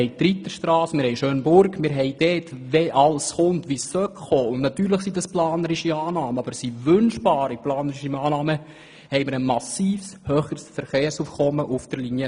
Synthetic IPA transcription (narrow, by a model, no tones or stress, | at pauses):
hɛɪt̪ɾit̪ːəʃtɾɑːsmɪɾhɛɪʃøːnbʊrɡmɪɾɦɛɪd̥ɛːtʋɛʔɑlsχʊntʋisːœkχoːʊndnɑt̪yːɾləχsidɑsplɑːnəɾɪʃiɑːnɑːməɑbəɾsiʋʏnʃb̥ɑːɾiplɑːnəɾɪʃiɑːnɑːmə | hɛjmɪɾəmɑsiːfshøːχəɾsfəɾχeːɾsuːfkɔmːəʔʊfd̥əɾlinjə